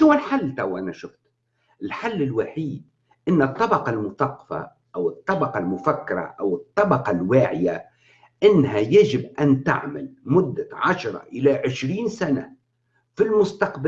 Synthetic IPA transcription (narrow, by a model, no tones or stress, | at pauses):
ʊwːalħalːt̪awʔanaʃʊft̪ | ʔɪlħalːɪlwaħiːd̪̚ | ʔɪnːɨt̪ˤːɑbɑqɑlmʊθɑqːɑ̥fa̰ | ʔawɨt̪ˤːɑbɑqɑlmʊfakːɪɾˤɑ̰ʔawɨt̪ˤːɑbɑqɑlwaːʕɪja | ʔɪnːɦajaʒɪbʔant̪a̰ʕma̰lmʊd̪ːaʕaʃɾˤɑ̰ʔɪlaʕɪʃɾiːnsana̰ | filmʊst̪ɑqb